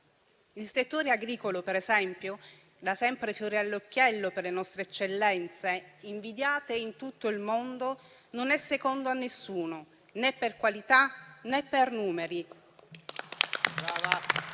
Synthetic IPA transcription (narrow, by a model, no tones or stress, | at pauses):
ilset̪ːoːɾeaɡɾiːkolopeɾezɛmpjo | d̪asɛmpɾefjoːɾealːokːjɛlːoperlenɔst̪ɾeɛt͡ʃːelːɛnt̪seiɱvid̪jaːt̪eint̪ut̪ːoilmond̪o | nonɛsːekond̪oanːesːuːno | nepːerkwalit̪anɛpːernuːmeɾi | ava